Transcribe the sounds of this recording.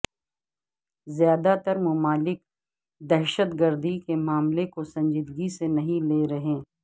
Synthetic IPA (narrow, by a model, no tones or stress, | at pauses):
zjaːd̪at̪əɾmʊmaːlɪk̚ | d̪ɛɦʃət̪ɡəɾd̪ikemaːmlekosɐ̃ɲd͡ʒɪd̪ɡisenɐɦĩleːɾɐɦẽː